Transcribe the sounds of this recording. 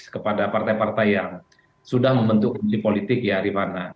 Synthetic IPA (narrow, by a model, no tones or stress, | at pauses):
skəpadapart̪ajpart̪ajaŋ | sudahməmbənt̪uklipolit̪ɪk̚jaɾimana